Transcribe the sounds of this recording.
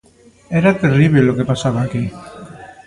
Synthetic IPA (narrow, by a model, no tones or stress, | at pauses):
eɾat̪eriβelokepasaβaki